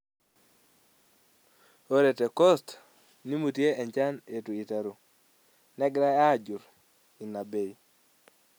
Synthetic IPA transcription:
o˦ɾe˨te˨kɔ˦st | ni˦mu˨tje˦ɛ˨ɲt͡ʃa˦ne˨tu˨i˨ta˨ɾu˨ | nɛ˦ɡɾa˦a˦˨d͡ʒu˨ɾ | i˨na˨be˨i˨

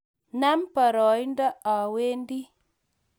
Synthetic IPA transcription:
na˦mpə˨ɾɔ˨jndə˦a˨we˦ndi˦

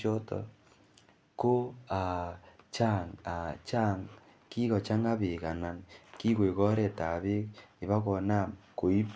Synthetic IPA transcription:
ɔ˦tɔ̰˨ | ko˦a˨t͡ʃa˦˨ŋa˨t͡ʃa˦ŋ | ki˦kɔ˨t͡ʃa˦ŋa˦βe˨ka˨na˨nki˦kwe˨kɔ˦ɾe˨ta˨βe˦ki˨βa˦kɔ˨na˦˨mko˨i˦p

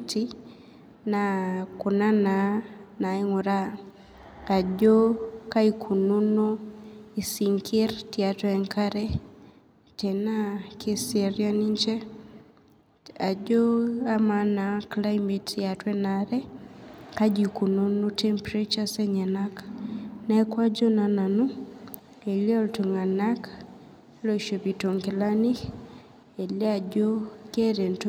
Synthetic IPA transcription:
ti | na˨ku˨na˦na˨na˨i˦ŋu˨ɾa˦ | a˨d͡ʒo˦ka˦i˨kʰu˨nu˦no˦i˨si˨ŋkʰi˦rtia˨twɛ˨ŋkaɾɛ | tɛ˨na˦kʰe˦sɛɾja˦ni˦ɲt͡ʃɛ˦ | a˨d͡ʒo˦a˦ma˨na˨kla˦jme˨tja˨twɛ˦na˨ɾɛ˦ka˦d͡ʒi˨ku˨no˦nu˦tʰɛ˦mpɾe˦t͡ʃa˦sɛ˦ɲa˨na˦knɛ˦kwa˦d͡ʒo˦na˨na˨nu˦ | e˨li˦ɔ˦lto˨ŋa˨na˦k | lo˨ʃo˨pi˨to˨ŋkɪ˨la˦ni˦ | e˨lɛ˦a˨d͡ʒo˦ke˦ɾe˨nt

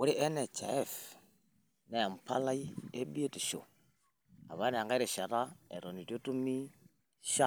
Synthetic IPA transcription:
u˦ɾi˦ʔɛ˦nɛ˨t͡ʃɛ̰˨ɛ˦f | nɛ˨a˨m̩˨pa̰˦la˦i˦e˦bi˦e˦ti˨ʃo̰˨ | a̰˨βa˨˦nɛ˨a˨ŋɡa˦ɾɛ˨ʃa˨ɾa˦ɛ˨ɾɔ˨ni˨tjo˦tu˦mi˦ | ʃa˦

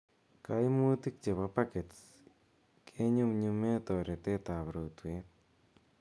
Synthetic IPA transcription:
ka˦jmu˦ti˦k̚t͡ʃe˨pa˧pa˦ke˨t | kʰe˦ɲu˦mɲu˧me˦t̪o˨ɾe˨t̪e˦t̪a˨pɾo˨twe˦t̪̚

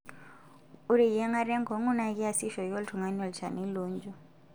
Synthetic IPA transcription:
u˦ɾi˨jɛ˦ŋa˦ɾɛ˦ŋɡɔ˨ŋu˦na˦ki˦a˨si˦ʃɔ˨jɔ˦ltʰu˨ŋa˨˦nɔ˨lt͡ʃa̰˨ni˦luː˦nd͡ʒɔ˦˨

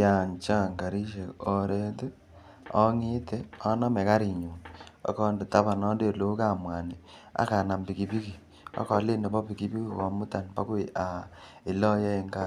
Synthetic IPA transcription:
ja˨ɲt͡ʃa˦˨ŋka˨ɾi˦ʃe˨ɔ˨ɾɛ˦te˦ | ɔ˦ŋe˦tɛ˦ɔ˦nɔ˦mɛ˨ka˦ɾi˨ɲo˨na̰˦kɔ˦nde˨ta˦βa˨nɔ˦nde˦˨lo˦ka˦˨mwa˨ni˨a̰˦ka˨na˨mbi˨ki˨pi˦ki˨ | a̰˦kɔ˨˦le˦ne˨bɔ˦pi˨ki˦pi˦ki˦˨kɔ˨mu˦ta˨npa˦ko˦e˨ʔa˨ | e˨lɔ˦jɛ˦ŋɡa˦

